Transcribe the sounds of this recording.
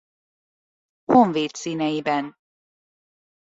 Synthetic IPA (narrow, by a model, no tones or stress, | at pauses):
hoɱveːt̪siːnɛjibɛn